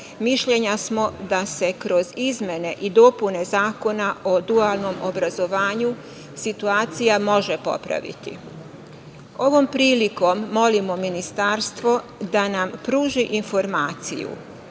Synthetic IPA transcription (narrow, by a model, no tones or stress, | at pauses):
miʃʎe̞ɲasmo̞d̪ase̞kɾo̞zizmʲe̞ne̞ʔid̪o̞pune̞zaːko̞naʔod̪ualˠno̞mobɾazo̞ʋaːɲu | sit̪uaːt̪sijamo̞ʒe̞po̞̰pɾa̰ʋḭt̪ḭ | o̞ʋo̞mpɾiːliko̞mːo̞limo̞minist̪aɾst̪ʋo̞ | d̪anampɾuːʒiʔinfo̞ɾmaːt̪sḭjṵ